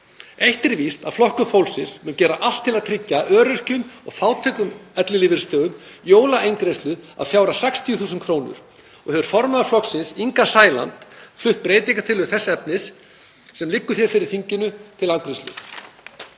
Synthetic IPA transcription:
ejht̪ɪɾvist̪a̰flɔhkʏfowlsɪnsmʏncɛːɾaʔal̥t̪ʰːɪlaðt̪ʰɾɪcːaʔœːɾʏr̥cʏmɔ̰ɣfaːwt̪ʰɛkʏmɛt̪lɪlɪvɪɾst̪œːɣʏmjoːwlaʔejnk̪ɾejst̪lʏa̰ðfjawɾasɛkst̪ʰiʏθuːsʏnkʰɾoːwnʏ̰ɾ̥ | ɔɣhɛvʏɾ̥fɔɾmaðʏɾflɔksɪnsiŋkasaːjla̰nt̪flʏht̪̚pɾeːjt̪iŋkat̪ʰɪlːʏθɛsːaɛpnɪsː | ɛmlɪkːʏɾ̥θjɛɾfɪɾɪɾ̥θiɲcɪnʏt̪ʰɪlank̪ɾest̪lʏ̰

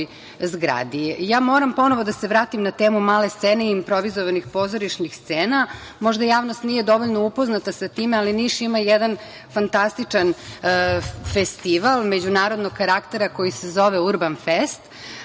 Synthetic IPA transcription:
zɡɾa̰d̪ijaːmo̞ɾampo̞no̞ʋo̞d̪aseʋɾaːt̪imnat̪eːmumaːle̞st̪seːne̞iimpɾoʋizoʋanixpo̞zoɾiʃnixst̪seːna | mo̞ʒd̪ajaːʋnost̪nije̞d̪o̞ʋoʎnoupo̞znat̪asat̪iːmealiniʃimajɛd̪an | fant̪ast̪it͡ʂan | fest̪iʋalˠme̞d͡ʑunaːɾo̞d̪noɡkaɾakt̪e̞ɾako̞jisezo̞ʋeuɾbanfest̪

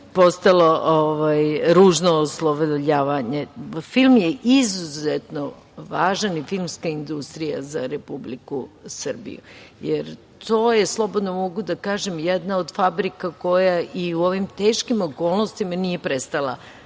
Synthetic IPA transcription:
po̞st̪alo̞ʔoʋajɾuːʒnoːslˠoʋʎaːʋaɲe̞filˠmjeʔizuzet̪no̞ | ʋaːʒanifilˠmskaind̪ust̪ɾija̰zaɾepublikusr̩bḭjṵjeɾ | t̪o̞ːjeslˠo̞bod̪nomo̞ɡud̪akaːʒemjed̪naod̪fabɾikako̞jaʔiuo̞ʋimt̪e̞ːʃkimo̞koːlˠnost̪imanije̞pɾest̪alˠa̰

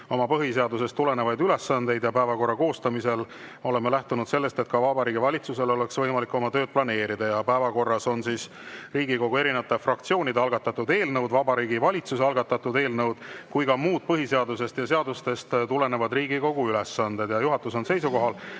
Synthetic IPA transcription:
o̞mɑpɤɦise̞ɑd̪use̞st̪ːule̞ne̞vɑjd̪yle̞sːɑnd̪e̞jd̪jɑpæevɑko̞rːɑko̞ːst̪ɑmise̞l | o̞le̞melæht̪unud̪se̞lːest̪e̞t̪̚kɑvɑbɑɾiːɡivɑlʲit̪suse̞lo̞le̞ksvɤjmɑlikːˑo̞mɑt̪ø̞ːd̪̚plɑne̞ːɾid̪̥ɑjɑpæevɑko̞rːɑso̞nsiːs | riːɡiko̞ɡue̞ɾinevɑt̪ːefrɑk̚t̪sio̞ːnʲid̪eɑlɡ̥ɑt̪ːˑɑt̪ːud̪e̞ːlnɤwd̪vɑbɑɾiːɡivɑlʲit̪suseɑlɡ̥ɑt̪ːˑɑt̪ːud̪e̞ːlnɤwd̪̥kujkɑmuːd̪̥̚pɤɦise̞ɑd̪use̞st̪jɑse̞ɑd̪ust̪e̞st̪t̪ule̞ne̞vɑd̪riːɡiko̞ɡ̥uyle̞sːɑnd̪e̞d̪̥jɑjuɦɑt̪ːˑuso̞nse̞jsuko̞ɦɑl

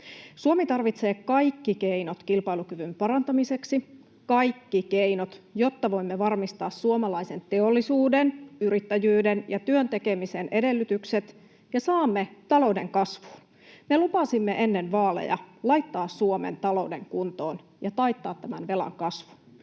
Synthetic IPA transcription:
suomit̪ɑrʋit̪se̞ːkɑjkːikeinot̪kilpɑilukyʋympɑɾɑnt̪ɑmise̞ksi | kɑjkːikeinot̪jo̞t̪ːɑʋo̞imːeʋɑrmist̪ɑːssuomɑlɑise̞nt̪e̞olːisuːdenyɾit̪ːæjyːdenjɑt̪yønt̪e̞ke̞misenʔe̞de̞lːyt̪ykset̪ | jɑsɑːmːet̪ɑlo̞udḛŋkɑsʋu̥ːn | melupɑsimːeʔe̞nːenʋɑːlḛjɑ̰lɑjt̪ːɑːssuomḛnt̪ɑlo̞ude̞̰ŋkunt̪oːn | jɑt̪ɑjt̪ːɑːt̪ːæmænʋe̞lɑ̰ŋkɑsʋu̥n

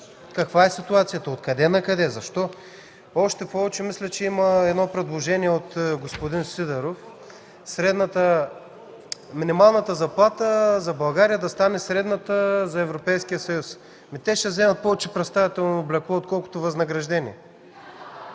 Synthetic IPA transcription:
kɐkvaɛsit̪uat̪sijət̪ɐot̪kɐd̪ɛnɐkɐd̪ɛzɐʃt̪ɔ | ɔʃt̪ɛpɔvɛt͡ʃɛmislʲɛt͡ʃɛimɐɛd̪nɔpɾɛd̪lˠoʒɛniɛot̪ɡospod̪insid̪ɛɾof | sɾɛd̪nət̪ə | minimalˠnɐt̪əzɐplˠat̪əzɐbɐlˠɡaɾijəd̪ɐst̪anɛsɾɛd̪nət̪əzɐɛvɾopɛjskijəsɐjus | mit̪ɛʃɛzɛmɐt̪̚pɔvɛt͡ʃɛpɾɛt̪st̪avit̪ɛlˠnooblʲɛklɔot̪kɔlˠko̥t̪ovɐznɐɡɾɐʒd̪ɛniɛ

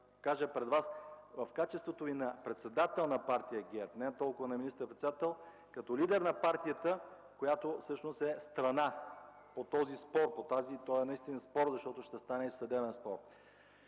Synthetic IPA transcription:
kaʒəpɾɛd̪vasvɐfkat͡ʃɛst̪vot̪ovinɐpɾɛt̪sɛd̪at̪ɛlˠnɐpaɾt̪ijəɡɛɾt̪nɛt̪ɔlˠkʊvənɐminist̪əɾpɾɛt̪sd̪at̪ɛlˠ | kɐt̪ɔlid̪ɛɾnɐpaɾt̪ijət̪ə | kojat̪ofsɤʃnost̪ɛst̪ɾɐna | pot̪ɔzispɔɾpot̪azit̪ɔɛnɐist̪inɐspɔɾzɐʃt̪ɔt̪oʃt̪ɛst̪anɛisɐd̪ɛbɛnspɔɾ

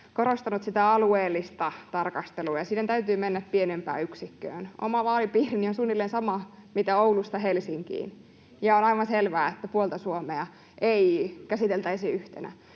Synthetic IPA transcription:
koɾost̪ɑnut̪sit̪æɑlueːlːist̪ɑt̪ɑrkɑst̪eluːjɑsiːnent̪æyt̪yːmenːæppienempæ̰ːyksikːø̰ːnʔo̰mɑʋɑːlipiːrinionsunːilːensɑmɑmit̪æoulust̪ɑɦelsiŋkḭːn | jɑonɑijʋɑnselʋæːet̪ːæpuolt̪ɑsuomeɑ | ʔeikæsit̪elt̪æisiyht̪enæ̰

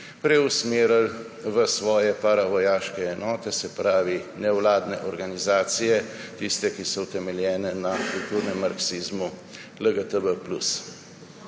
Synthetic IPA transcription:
pɾɛusmeːɾəl | ʋəsʋɔːjɛpaɾaʋɔjaːʃkɛɛnɔːt̪ɛsɛpɾaːʋinɛwlaːd̪nɛʔɔɾɡanizaːt̪sijɛ | t̪ist̪ɛkisɔwt̪ɛmɛljɛːnɛnakult̪uːɾnɛmːaɾksizmu | ləɡət̪əbəplṵs

